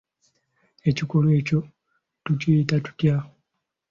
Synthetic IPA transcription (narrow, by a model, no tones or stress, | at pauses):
e̞cikolweːco̞ | tuciːtatu̥cjao